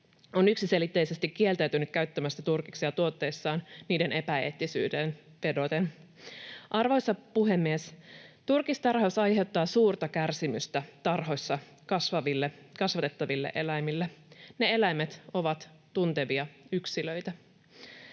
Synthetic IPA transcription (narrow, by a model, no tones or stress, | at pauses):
o̞nyksise̞lit̪ːe̞jse̞st̪ikːie̞lt̪æɥt̪ynyt̪̚kæɥt̪ːømæsːæt̪urkiksiɑt̪uo̞t̪ːe̞jsːɑːnniːde̞ne̞pæḛːt̪ːisy̰ːden | pe̞do̞t̪en | ʔɑrʋo̞jsːɑpuɦe̞mːiest̪urkist̪ɑrhɑusɑjɦe̞wt̪ːɑːsuːrt̪ɑkærsimyst̪æt̪ɑrɦo̞jsːɑ | kɑsʋɑʋilːekɑsʋɑt̪et̪ːɑʋilːe̞̰ʔe̞læjmilːene̞e̞læjmet̪o̞ʋɑt̪t̪unt̪e̞ʋiɑyksilø̞jt̪æ